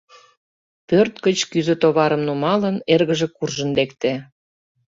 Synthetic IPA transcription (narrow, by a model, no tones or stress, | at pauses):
pørt̪̚kət͡ɕkyzø̆t̪oβɑɾəmnumɑlənerɣə̆ʒĕkurʒə̆nd̪ekt̪æ